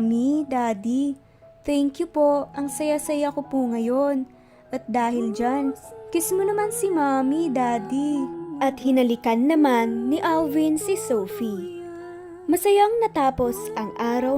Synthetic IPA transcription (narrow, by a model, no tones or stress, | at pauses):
mid̪ad̪i | t̪ɛŋkjupo̞ɐŋsɐjasɐjakopuŋɐjo̞n | ʔɐt̪̚d̪aːhɪld͡ʒankɪsmonɐmansimamid̪aːd̪iʔɐt̪̚hɪnɐlɪkɐnːɐmanːɪʔalvinsɪsowfi | mɐsɐjaŋnɐt̪aːpo̞sʔɐŋʔaːɾɐw